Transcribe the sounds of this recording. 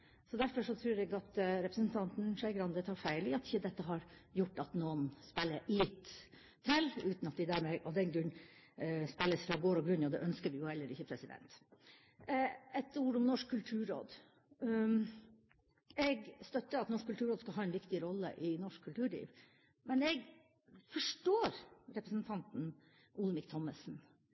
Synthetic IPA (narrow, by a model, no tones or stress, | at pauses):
sɔd̪æɾfɔʂɔt̪ʰɾʉːɾɛɡɑt̪ɾɛpɾəsn̩t̪ʰɑnt̪n̩ʂæɪɡɾɑnd̪ɛt̪ʰɑɾfæɪlɪɑt̪ɪçːəd̪ɛt̪ːəɦɑɾjʊʈːɑt̪noːənspɛlːəlɪt̪ːʰ | ɛlʉːt̪nɑt̪d̪ɪd̪æɾmɛʔɔd̪ɛnɡɾʉ | spɛlːəsfɾɑɡoːɾɔɡɾʉnːɔd̪ɛ̰ʔœnskəʋɪjʊhɛlːəɾɪçːəpʰɾɛsɪd̪ɛ̰nt̪ | ɛt̪uːɾʊmnɔʂkkʰːʉlt̪ʰʉːɾo̰ːd̪ | ɛɡst̪œt̪ːəɑt̪nɔʂkːʉlt̪ʉːɾoːd̪skɑlɦɑːɛnʋɪkt̪ɪɾɔlːə̰ʔɪnɔʂkkʰːʉlt̪ʉːɭḭːʋ | mɛnɛɡ | fɔʂʈoːɾɾɛpɾəsn̩t̪ʰɑnt̪n̩ | ʔʊlmɪkt̪ʰɔməsn̩